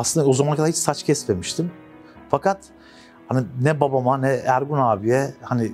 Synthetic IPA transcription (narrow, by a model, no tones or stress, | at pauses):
aslɯnd̪ao̞zamanakad̪aɾhit͡ʃsat͡ʃcʰɛsmemiʃt̪ʰim | fakat̪ | haninɛbabamanɛæɾɡunaːbijɛhani